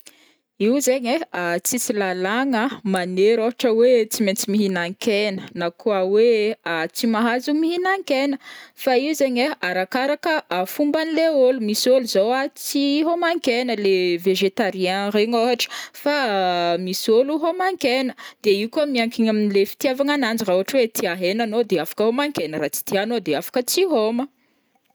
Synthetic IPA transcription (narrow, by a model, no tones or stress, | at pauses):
iuzeɲeat͡sit͡silalaŋəmaneɾoɦaʈ͡ʂəwet͡siment͡simiɦinaŋkɛnənakuaweat͡simaɦazumiɦinaŋkenəfaiuzeɲeaɾakaɾakəafumbanileolumisoluzowat͡siɦomaŋkenəleveʒet̪aɾiãreŋoɦaʈ͡ʂə̥famisoluɦomaŋkenəd̪̥eiukuamiaŋkiɲaminilefi̥t̪iavaŋanand͡ʒirauaʈ͡ʂwet̪ʰiaɦenanod̪eafḁkəhomaŋkenəɾat͡si̥t̪ianod̪eafḁkət͡siɦomə